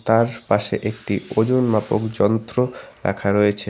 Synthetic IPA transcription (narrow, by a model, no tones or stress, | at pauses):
t̪aɾpaʃeʔek̚ʈiod͡ʑonmapokd͡ʑɔnt̪ɾoɾa̰kʰaɾɔjet͡ɕʰe